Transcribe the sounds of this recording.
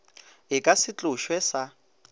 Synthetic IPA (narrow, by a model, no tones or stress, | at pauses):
ɪkʼasɪt͡ɬʼʊʃwɛsa